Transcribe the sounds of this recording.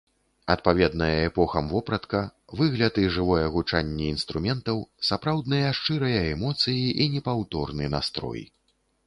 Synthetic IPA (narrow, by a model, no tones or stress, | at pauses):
ɐt̪̚pavʲɛd̪nɐjɐɛpɔxɐmvɔpɾɐt̪kɐvɨɣlʲɐt̪ɨʐɨvɔjɐɣut͡ʂanʲːɛinst̪ɾumʲɛnt̪ɐwsapɾawd̪nɨjɐʂt͡ʂɨɾɐjɐɛmɔt̪sɨjiʔinʲɛpawt̪ɔrnɨna̰st̪ɾɔ̰j